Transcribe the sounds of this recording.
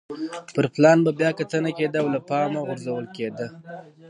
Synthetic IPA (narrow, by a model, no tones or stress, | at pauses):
pəɾplɑnbabjɑkat̪ənaked̪əawlapɑmaɣʊɾzawəlked̪ə